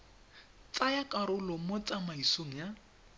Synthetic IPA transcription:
t͡sajakaɾʊlɔmot͡sʼamaisoŋ̩ja

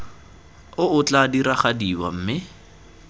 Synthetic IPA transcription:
ʊʊt͡ɬadiɾaχadiwa̰m̩ːmɪ

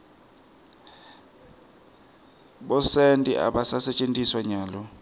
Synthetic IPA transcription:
ɓɔsentʼḭʔa̰ɓasasɛt͡ʃʼentʼiswaɲaːlɔ

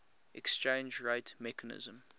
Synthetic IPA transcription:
ʔɛkst͡ʃẽːnd͡ʒɹeɪtmɛkʰənɪ̰zə̃m

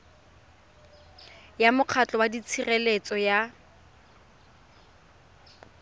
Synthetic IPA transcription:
jamʊq͡χʰat͡ɬʼɔwadit͡sʰirɛlet͡sʼɔja

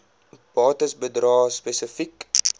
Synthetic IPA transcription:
b̥ɑːtəsbədrɑːspɛsəfik

